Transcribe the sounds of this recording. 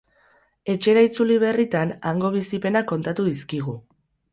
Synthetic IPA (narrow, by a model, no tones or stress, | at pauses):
e̞t͡ʃe̞ɾait͡suliβ̞e̞rit̪anaŋɡo̞β̞isipe̞nako̞nt̪at̪uðiskiɣ̞u